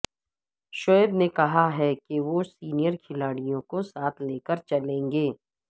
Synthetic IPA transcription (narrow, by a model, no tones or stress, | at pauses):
ʃoːəbnekɐɦaɦɛkeʋosiːnijəɾkʰɪlaːɽijõkosaːt̪ʰleːkəɾt͡ʃɐlẽːŋɡeː